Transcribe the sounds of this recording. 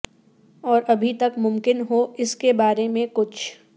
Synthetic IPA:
ɔːɾɐbʱit̪ɐkmʊ̃mkɪnɦoɪskebaːɾemẽkʊt͡ʃʰ

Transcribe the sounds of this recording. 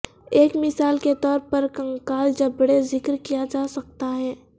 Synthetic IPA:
eːkmɪsaːlket̪ɔːɾpɐɾkɐ̃ŋkaːld͡ʒɐbɽezɪkɾkijad͡ʒaːsɐk̚t̪aɦɛː

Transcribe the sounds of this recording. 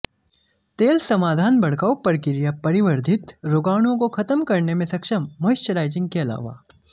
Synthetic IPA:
t̪eːlsɐmaːd̪ʱaːnbɐɽ̤kaːupɐɾkɪɾjapɐɾɪʋəɾd̪ʱɪt̪ɾoːɡaːɽ̃õkoxʰɐt̪əmkɐɾnemẽsɐkʃəmːoɪʃəɾaːɪd͡ʒɪ̃ŋɡ̚keɐla̰ːʋa̰ː

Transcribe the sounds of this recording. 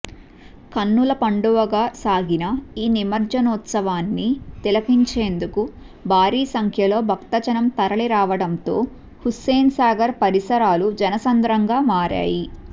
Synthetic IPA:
kɐnːulɐpɐɳɖuʋɐɡaːsaːɡinɐiːnimɐɾd͡ʒɐnuːt̪sɐʋaːnːit̪ilɐkiɲt͡ʃe̞ːnd̪uku | bʱaːɾiːsɐŋkʰjɐlo̞ːbʱɐkt̪ɐd͡ʒɐnɐmt̪ɐɾɐliɾaːʋɐɽɐnt̪o̞ː | huseːnsaːɡɐɾpɐɾisɐɾaːlud͡ʒɐnɐsɐnd̪ɾɐŋɡaːmaːɾa̰ːji

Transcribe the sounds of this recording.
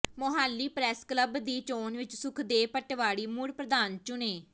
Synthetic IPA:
moɦaːlːiːpɾɛːskləbd̪iːt͡ʃoːnʋɪt͡ʃsʊkʰd̪eːpəʈʋaːɽiːmʊɽpɾəd̪aːnt͡ʃʊneː

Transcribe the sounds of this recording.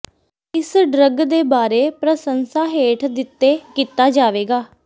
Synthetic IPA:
ɪsɖɾəɡd̪eːbaːɾeːpɾəsənsaːɦeːʈʰd̪ɪt̪ːeːkiːt̪aːd͡ʒaːʋeːɡaː

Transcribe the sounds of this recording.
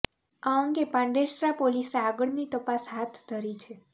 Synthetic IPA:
aəŋɡepãɳɖeɾsɾapoliseaɡəɽnit̪əpasɦat̪ʰd̪ʱəɾit͡ʃʰe

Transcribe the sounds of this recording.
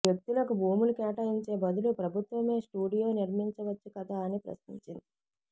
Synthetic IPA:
jek̚t̪ilɐkubʱuːmulukɛːʈɐiɲt͡ʃe̞ːbɐd̪ulupɾɐbʱut̪ʋɐme̞ːsʈuːɽijo̞ːniɾmiɲt͡ʃɐʋɐt͡ʃːikɐt̪aːnipɾɐ̰sniɲt͡ʃind̪i

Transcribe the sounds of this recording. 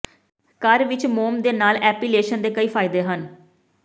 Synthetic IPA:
kəɾʋɪt͡ʃmoːmd̪eːnaːlɛːpiːleːʃənd̪eːkəiːpʰaːɪd̪eːɦən

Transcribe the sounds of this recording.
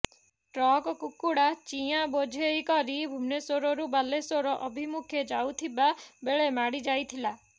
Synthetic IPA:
ʈɾɔkɔkukuɽat͡ʃiabod͡ʒʱejkɔɾibʱumnesoɾɔɾubalesoɾɔʔɔbʱimukʰjed͡ʒawt̪ʰibabeɭemaɽid͡ʒajt̪ʰila

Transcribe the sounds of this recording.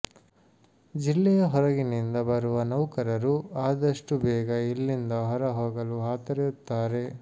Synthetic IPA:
d͡ʒilːɛjɐɦɔɾɐɡinind̪ɐbɐɾuʋɐnɐwkɐɾɐɾuaːd̪ɐʂʈubɛːɡɐilːind̪ɐɦɔɾɐɦoːɡɐluɦaːt̪ɐɾeut̪ːaːɾe̞

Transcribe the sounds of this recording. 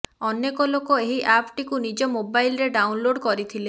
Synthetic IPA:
ɔnjekɔlokɔeɦiʔapʰʈikunid͡ʒɔmobajlɾeɖawnloɖkɔɾit̪ʰile

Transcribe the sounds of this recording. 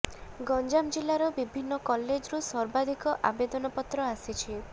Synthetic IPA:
ɡɔnd͡ʒamd͡ʒilːaɾɔbibʱinːɔkɔlːed͡ʒɾusɔɾbad̪ʱikɔʔabed̪ɔnɔpɔt̪ːɾɔasit͡ʃʰi

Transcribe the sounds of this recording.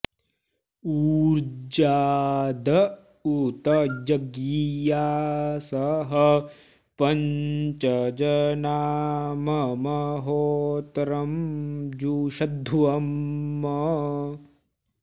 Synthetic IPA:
uːɾd͡ʒaːd̪ɐ | ut̪ɐd͡ʒɐɡijaːsɐɦɐ | pɐɲt͡ʃɐd͡ʒɐnaːmɐmɐɦoːt̪ɾɐmd͡ʒuːʃɐd̪ʱːuɐmːɐ

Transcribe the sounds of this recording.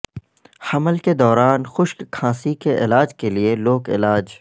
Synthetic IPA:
hɐməlked̪ɔːɾaːnxʊʃkkʰãːsikeʔɪlaːd͡ʒkelieloːkɪ̰laːd͡ʒ

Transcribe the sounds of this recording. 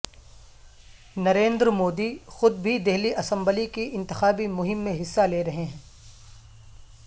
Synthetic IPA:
nɐɾẽːnd̪ɾmoːd̪ixʊd̪̚bʱid̪ɪɦliʔɐsɐ̃mbəlikiɪ̃nt̪ɪ̥xaːbimʊɦɪmːẽɦɪsːaleːɾɐɦeɦɛ̃ː

